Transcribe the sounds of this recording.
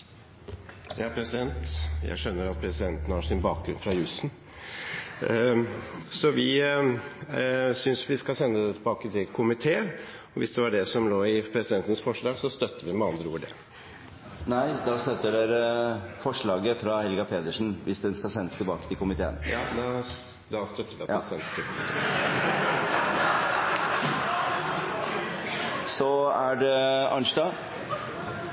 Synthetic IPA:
jɑːpʰɾɛsɪd̪ɛnt̪jæ̰ɪʂœnːəɾɑt̪̚pʰɾɛsɪd̪ɛnt̪nəhɑʂɪnbɑːk̚ɡɾʉnfɾɑjʉsn | sɔʋɪ | sʏnsʋɪskɑsɛnːəd̪ɛt̪ʰbɑːkət̪ʰɪlkʰʊmɪt̪ʰeːə | ɔʋɪsd̪ɛʋɑɖɛsɔmloːɪpʰɾɛsɪd̪ɛnt̪ənsfɔʂɭɑːɡsɔst̪œt̪ːəʋɪmɛɑnd̪ɾəuːʋəɖɛ̰ | næɪd̪ɑːst̪œt̪ːəɖeːɾəfɔʂɭɑːɡəfɾɑhɛlɡɑpʰeːd̪əʂn̩ʋʔɪsd̪ɛnskɑsɛnːəst̪ɪlbɑːkə̥t̪ʰɪlkʊmɪt̪ʰḛːə̰njɑːd̪ɑ | d̪ɑst̪œt̪ːəʋɪɑt̪ːɛsɛnːəst̪ʰɪlkʰʊmɪt̪ʰḛː | sɔæɖɛɑ̰nʂd̪ɑː

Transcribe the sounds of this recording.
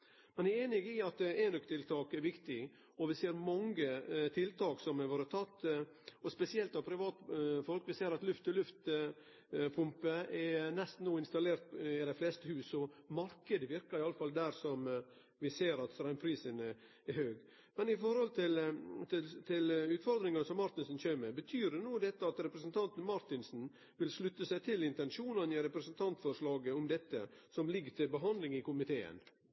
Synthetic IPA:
mɛnæeːnɪɡɪɑt̪eːnɔkt̪ʰɪlt̪ʰɑːkɛɾʋɪkt̪ɪ | ɔʋɪseːɾmɑŋɡət̪ʰɪlt̪ʰɑːksɔmɛʋoːɾət̪ʰɑt̪ː | ɔspɛsɪɛlt̪ɑpʰɾɪʋɑːt̪fɔlkʋɪseːɾɑt̪lʉft̪ɔlʉft̪ | pʰʊmpəɛnɛst̪n̩uːɪnst̪ɑleːɾt̪ɪd̪ɛɪflɛst̪əhʉːsɔmɑɾkəd̪əʋɪɾkəɾɪɑlːəfɑld̪æɾsɔm | ʋɪseːɾɑt̪sɾæɪmpʰɾiːsən | ɛhøːɡ | mɛnɪfɔɾhɔlt̪ʰɪlt̪ɪt̪ʰɪlʉːt̪fɔɾd̪ɾɪŋənəsɔmːɑɾt̪ɪnsn̩çeːmɛbət̪ʰyːɾənuːd̪ɛt̪ːəɑt̪ɾɛpɾəsənt̪ʰɑnt̪n̩mɑɾt̪ɪnsn̩ | ʋɪlʂlʉt̪ːəsæɪt̪ʰɪlɪnt̪ɛnʂuːnɑnɪɾɛpɾəsənt̪ʰɑnt̪fɔɾʂlɑːɡəɔmd̪ɛt̪ːəsɔmlɪɡːət̪ɪlbəɦɑnd̪lɪŋɪkʰʊmɪt̪ʰeːə̰n

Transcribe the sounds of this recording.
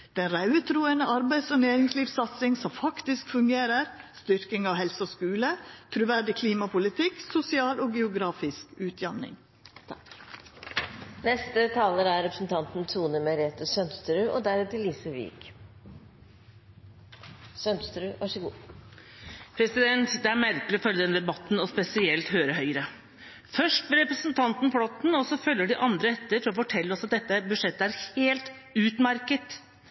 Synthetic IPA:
d̪̥ɛnɾɑʉət̪ʰɾuːənəɑɾbæɪsoneːɾɪŋsliːʋsɑt̪sɪŋsɔmfɑkt̪ɪskfʉŋɡeːɾəɾst̪ʏɾkɪŋɑʋhɛlsəoskʉːlət̪ʰɾʉːʋæɖɪkʰliːmɑpʊlɪt̪ʰɪksʊsɪɑːloːɡɛʊɡɾɑːfɪskʉːt̪ʰjɑnɪ̰ŋ | nɛst̪ət̪ʰɑːləɾæɾɾɛpɾəsn̩t̪ʰɑnt̪n̩t̪ʰuːnəmɛɾeːt̪əsœnst̪ɾʉːʔod̪æɾɛt̪ʰəliːsəʋḭːk | sœnst̪ɾʉːʋʔɑʂəɡuː | pʰɾɛsɪd̪ɛnt̪d̪ɛæɾmæɾkəlɪɔfœlːəd̪ɛnd̪ɛbɑt̪ːnɔspɛsɪɛlt̪høːɾəhœʏəɾə | fœʂʈʋɛlɾɛpɾəsnt̪ʰɑnt̪n̩flɔt̪nɔsɔfœlːəɖɪʔɑnd̪ɾəhɛt̪ːəɾfɔɾɔfɔʈʰɛlːəɔsɑt̪̚d̪ɛt̪ːəbʉʂɛt̪ːəæɾheːlt̪ | ʉːt̪mæɾkət̪

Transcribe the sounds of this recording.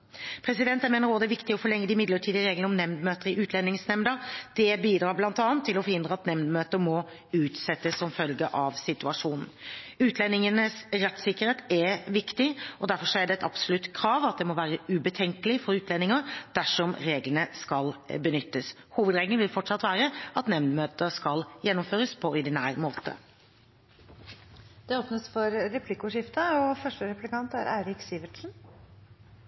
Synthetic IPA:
pʰɾɛsɪd̪ɛnt̪jæmeːnəɾoːd̪əɛʋɪkt̪ɪɔfɔɭɛŋːəd̪ɪmɪd̪ləʈʰiːd̪ɪəɾeːɡlənəɔmnɛmd̪møːt̪əɾɪʔʉːt̪ʰlɛnːɪŋsnɛmd̪əɾd̪̥ɛbiːd̪ɾɑːɾblɑnt̪ɑːnt̪ʰːɪlɔfɔɾhɪnd̪ɾəɑt̪nɛmd̪møːt̪əɾmɔ | ʉːt̪sɛt̪ːəsːɔmfœlɡəʔɑʋsɪt̪ʉɑʂuːnn̩ʉːt̪ʰlɛnːɪŋənəsɾɛt̪sɪkːəɾheːt̪ɛʋɪkt̪ɪɔd̪æɾfɔɾʂɔæɖɛɛt̪ɑ̰bsʊlʉt̪ːkʰɾɑːʋɑt̪̚d̪ɛmɔʋæːɾəʉbət̪ʰɛŋkəlɪfɔɾʉːt̪lɛnɪŋɑd̪̥æʂɔmɾeːɡlənəskɑlbənʏt̪ːəs | huːʋəd̪ɾeːɡlnʋɪlfɔʈʂɑt̪ːʋæːɾəɑt̪nɛmnd̪møːt̪əɾskɑljɛnːʊmføːɾəspʰɔɔd̪ɪnæːɾmoːt̪ʰə̰ | d̪̥ɛoːpnəsfɔɾɾɛpʰlɪkːʊʂɪft̪əɔfœʂʈəɾɛplɪkɑnt̪æ̰ɾæ̰ɪɾɪksiːʋəʈʂn̩

